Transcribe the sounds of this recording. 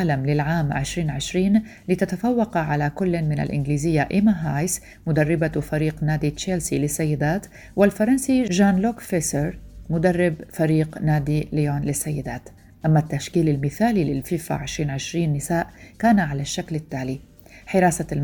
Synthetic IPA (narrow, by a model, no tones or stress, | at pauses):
lamlɪlʕaːmʕɪ̰ʃɾiːnʕɪʃɾiːn | lɪt̪at̪afawːɑqʕalakʊlːmɪna̰lʔɪ̰nɡliːzɪjːaʔɪmaɦajs | mʊd̪arˤːɪbafaɾiːqnaːd̪it͡ʃelsilɪsːajːɪd̪aːt̪ | wɪlfɑɾˤɑnsiʒaːnlokfesɛɾmʊd̪arˤːɪbfaɾiːqnaːd̪ilɪjonlɪsːajːɪd̪aːt̪ | ʔamːat̪ːaʃkiːlɪlmɪθaːlilɪ̰lfiːfa̰ʕɪʃɾiːnʕɪʃɾiːnːɪsaːʔkaːnaʕalaʃːaklɪt̪ːaːli | ħɪɾaːsa